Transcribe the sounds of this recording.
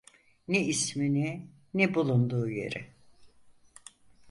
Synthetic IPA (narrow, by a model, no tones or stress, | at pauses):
nɛismini | nɛbulˠund̪uːje̞̰ɾɪ̰